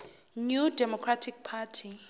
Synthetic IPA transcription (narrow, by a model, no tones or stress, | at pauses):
njudɛmɔkʰɹatʰik̚pʰatʰi